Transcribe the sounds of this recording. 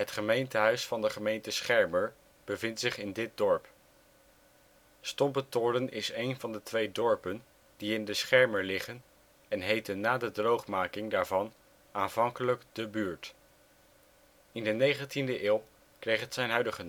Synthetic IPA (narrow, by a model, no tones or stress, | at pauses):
ɦətχəmejntəɦœɥsfɑndəχəmejntəsχɛɹməɹ | b̥əvɪntsɪχɪndɪt̚dɔɹp | stɔmbətoːɾənɪsejnvɑndətʋejdɔɹpən | diɪndəsχɛɹməɹlɪχən | ɛnɦejtənːaːdədrowχmaːkɪŋdaːɹvɑn | aːnvɑŋkələkdəbyːɹt | ɪndənejχəntindəʔɪːlˠ | krejχətsɛjnɦœɥdəχə